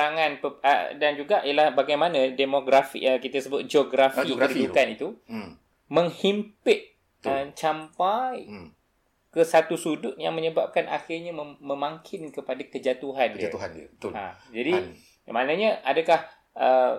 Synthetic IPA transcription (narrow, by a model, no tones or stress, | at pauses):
aŋãnpəə̰dand͡ʒuɡaʔiəlahbaɡajmanə̃demoɡɾafḭʔəkit̪əsəbʊt̪̚d͡ʒoɡɾafiəɾibut̪t̪anit̪u | mə̃ŋhimpɪʔ̪̚ | ət͡ʃampaj | kəsat̪usudʊt̪̚ja̰ŋmə̃ɲəbap̚kanʔa̰xɪrɲamə̃maŋkʰɪnkəpadakəd͡ʒat̪uɦandiuɦanbt̪a̰ | d͡ʒadi | manə̃ɲə̃ʔadakah | ʔə